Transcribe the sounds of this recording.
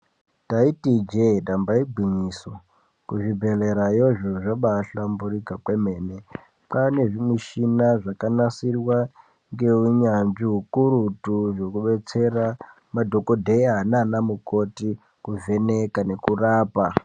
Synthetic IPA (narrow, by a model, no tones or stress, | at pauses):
taitid͡ʒedambaiɡʱiɲiːso | kuʐibʱe̞le̞ɾajoʐoʐaɓaɬamburikakweme̞ːne | pane̞ʐimwiʃinaʐakanasirwa | ŋɡe̞uɲanʐiɦukuɾutuʐo̞kuɓe̞t͡se̞ra | madʱo̞ko̞dʱeananamuko̞ti | kuve̞nekane̞kuraːpa